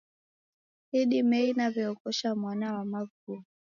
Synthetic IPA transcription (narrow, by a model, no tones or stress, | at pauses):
iɗimɛinavɛɔkɔʃamwanawamaɡu